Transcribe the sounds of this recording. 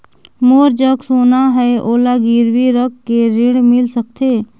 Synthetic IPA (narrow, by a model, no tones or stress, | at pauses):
moːɾd͡ʒəksoːnaɦɛeʔoːlaɡiːɾwiɾəkːeɾɪɽmɪlsək̚t̪ʰeː